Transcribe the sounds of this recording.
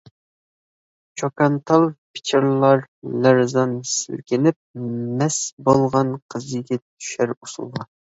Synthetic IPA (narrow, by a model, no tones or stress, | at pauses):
t͡ʃʰokʰɑnt̪ʰɑlˠpʰɪ̥t͡ʃʰɪɾlˠɑɾlæɾzɑnsɪ̰lkʲɪnɪp̚mɛsbolˠʁɑnqʰəzɨɡʲɛt̪ʰy̥ʃæɾusṵlˠʁɑ